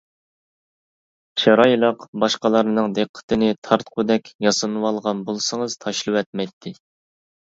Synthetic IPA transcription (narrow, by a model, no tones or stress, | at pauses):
ʃɑɾɑjlˠəqbɑʃqɑlˠɑɾnɨŋd̪eqʰːə̥t̪ʰɨnɪt̪ʰɑɾt̪qʰʊd̪ɛkʲjɑsɨnɨwɑlˠʁɑnbolˠsɨŋəz̥t̪ʰɑʃlˠɨwɛt̪̚mɛjt̪ʰːɪ